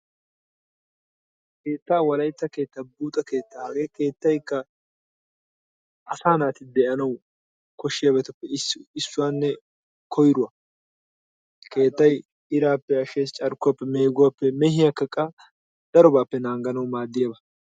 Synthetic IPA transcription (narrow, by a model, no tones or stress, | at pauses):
ke̞ːt̪ːaːwɐlɐjt̪ːɐke̞ːt̪ːɐbuːt̪ʼɐke̞ːt̪ːɐaːɡeːke̞ːt̪ːɐjkːɐ | ɐsaːnaːt̪ɪd̪ɛʔɐnɐw | kɔʃːɪjaːbɛt̪ɐpːɛɪsːʊwaːnːɛ | kʰɔjɾʊwɐ | ke̞ːt̪ːɐj | ɪɾaːpːɛɐʃe̞ːst͡ʃʼɐɾkːʊwɐpːɛme̞ːɡʊwapːɛmɛhɪjakːɐkʼːɐ | d̪̥ɐɾɔbaːpːɛnaːŋɡɐnɐwmaːd̪ːɪjɐbɐ